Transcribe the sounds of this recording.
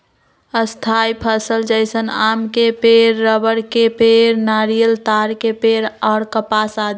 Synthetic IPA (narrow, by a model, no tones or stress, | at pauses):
əst̪ʰaipʰəsəld͡ʒəɪsənamkepeɾːəbəɾkepeɾnaːɾijəlt̪aːɾkepeɾɔːɾkəpasad̪